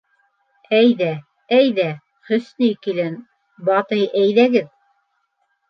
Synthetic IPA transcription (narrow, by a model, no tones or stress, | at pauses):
æjðæ | æjðæ | χɵ̆snijkilæn | bɑt̪ɤjʔæjðæɡɘð